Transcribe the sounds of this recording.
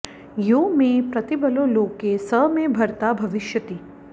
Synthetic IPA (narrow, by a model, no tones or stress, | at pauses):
joːmẽpɾɐt̪ibəloːloːkːesəɦmẽbʱɐɾt̪abʱɐʋɪʃjət̪iː